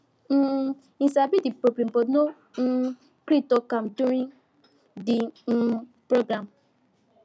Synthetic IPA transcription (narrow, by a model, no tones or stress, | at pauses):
n̩ | ĩsabidipopim̩pono | n̩ | kɾitokamduɾiŋ | dɪn̩ | pɾoɡɾam